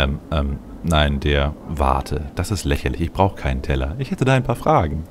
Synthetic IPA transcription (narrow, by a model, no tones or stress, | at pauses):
ʔɛmʔɛːm | naɪndeːɐva̰ɐtʰəd̥asɪstlɛçɐlɪçɪçb̥ʁaʊxə̥kʰaɪnəntʰɛlɐ̰ʔɪçhɛtədaːaɪnpʰaːɐfʁ̥aːɡŋ̩